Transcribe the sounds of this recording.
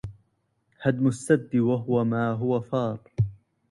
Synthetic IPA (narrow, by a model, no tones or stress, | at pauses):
had̪mʊsːad̪ːɪwaɦʊwamaːɦʊwafɑːɾˤ